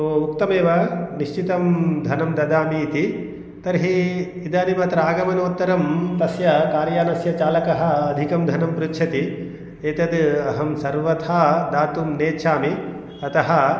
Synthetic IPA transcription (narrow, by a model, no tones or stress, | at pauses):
uk̚t̪ɐmeːʋɐniʃt͡ʃit̪ɐmd̪ʱɐnɐmd̪ɐd̪aːmiːt̪i | t̪ɐɾɦi | id̪aːnimaːt̪ɾaːɡɐmɐnoːt̪ːɐɾɐmt̪ɐsjɐkaːɾjaːnɐsjɐt͡ʃaːlɐkɐɦɐ̆ɐd̪ʱikɐmd̪ʱɐnɐmpɾutːʃʰɐt̪i | eːt̪ɐd̪ɐɦɐmsɐɾʋɐt̪ʰaːd̪aːt̪umneːt͡ʃʰaːmi | ɐt̪ɐɦɐ̆